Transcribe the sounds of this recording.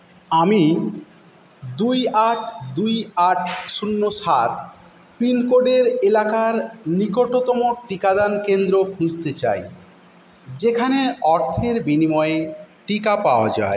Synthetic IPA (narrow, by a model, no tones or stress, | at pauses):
ami | d̪ujaʈd̪ujaʈʰsunːoʃaɾ | pɾinkoɖeɾelakaɾnikoʈot̪ɔmoʈikad̪ankend̪ɾokʰũd͡ʑt̪et͡ɕa̰j | d͡ʑekʰaneɔɾt̪ʰeɾbinimɔeeʈikapaoad͡ʑa̰e